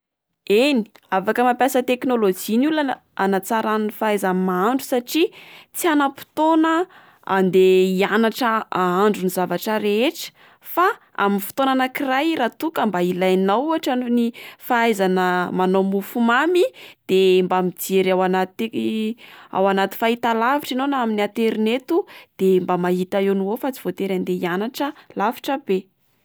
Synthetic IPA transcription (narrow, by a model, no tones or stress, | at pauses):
eni̥afakəmampjasət̪eknolod͡ʒinula | anat͡saɾannifaajzamaɳɖ͡ʐusaʈ͡ʂit͡sianəpi̥t̪onə | a̰nd̪eianaʈ͡ʂəaaɳɖ͡ʐunizavaʈ͡ʂəɾeeʈ͡ʂə̥ | faa̰minfi̥t̪onanakirajrat̪ukəmbailajnawuaʈ͡ʂaɳunifaajzanəmanomufumamid̪̥embamid͡zeɾawanat̪i | a̰wanat̪i̥fait̪alaviʈ͡ʂinonaaminiat̪eɾinet̪ud̪̥embamaɦit̪aenuofat͡si̥v̥ot̪eɾand̪eianaʈ͡ʂəlafi̥ʈ͡ʂəbe